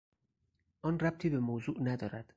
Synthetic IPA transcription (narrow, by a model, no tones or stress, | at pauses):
ʔɒːnræb̚t̪ʰiːbemoːzuːʔnæd̪ɒːɾæd̪̥